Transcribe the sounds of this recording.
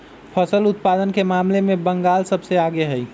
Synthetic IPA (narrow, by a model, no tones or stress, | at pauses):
pʰəsəlʊt̪̚pad̪ənkemaːmlemẽbəŋɡaːlsəbseaɡeɦəj